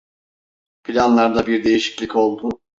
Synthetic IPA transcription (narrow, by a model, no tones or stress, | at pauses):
pʰilʲanlˠaɾd̪abiɾd̪e̞jiʃi̥cʲlʲico̞lˠd̪ʊ